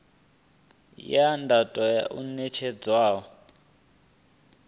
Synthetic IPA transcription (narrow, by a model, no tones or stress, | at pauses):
jandʱatʼɔja̰ʔunɛt͡ʃʰɛd͡zwaːɦɔ